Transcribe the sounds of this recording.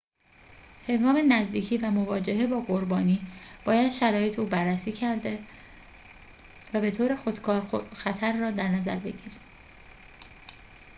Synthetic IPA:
he̞ŋɡɒːme̞næzd̪iːcʰiːvæmo̞vɒːd͡ʒe̞ɦe̞bɒːɡo̞ɾbɒːniːb̥ɒːjæd̪̥ʃæɾɒːje̞t̪ʰeuːbærːæsiːcʰæɾd̪e̞ | væbe̞t̪ʰoːɾe̞xo̞d̪kʰɒːɾoxæt̪ʰæɾːɒːd̪æɾnæzæ̰ɾbe̞̰ɟiɾi

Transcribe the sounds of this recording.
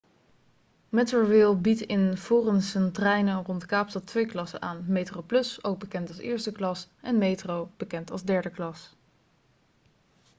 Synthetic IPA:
mɛtəvɪlˠbitɪnv̥ʊːrənsəntrɛjnərɔntkaːpstɑtʋejklɑsə̰nʔaːnmejtrowplɵsowɡ̚bəkɛntɑlˠsɪ̰ːɹstəklɑsʔɛnmejtrowb̥əkɛntɑ̰lˠzdɛɹdəklɑs

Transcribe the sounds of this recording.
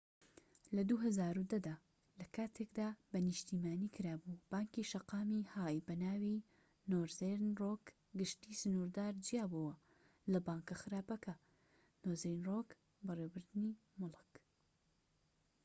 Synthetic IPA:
lɐd̪uɦɐzaːɾud̪ɐd̪aː | lɐkʰaːt̪ʰekd̪aːbɐnɨʃt̪iːmaːniːkʰɨɾaːbub̥aːŋkiʃɐqaːmihaːjbɐnaːwi | noːɾzeɾnroːk | ɡɨʃt̪iːsɨnuɾd̪aːɾd͡ʒijaːbuwɐ | lɐbaːŋkɐxɨɾaːpɐkɐ | nozejnrok | bɨrewbɨɾd̪ɨni | mʊlˠɨk

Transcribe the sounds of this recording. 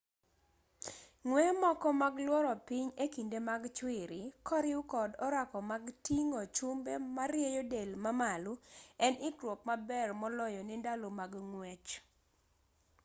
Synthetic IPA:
ŋwɛmɔkɔmaɡlwɔɾɔpiɲekindemaɡt͡ʃwɪɾɪkɔɾɪʊkɔdɔɾakɔmaɡtiŋɔt͡ʃumbemaɾjejodelmamalʊɛnɪkɾwop̚mabɛrmɔlɔjɔnɪndalomaɡŋwɛt͡ʃ

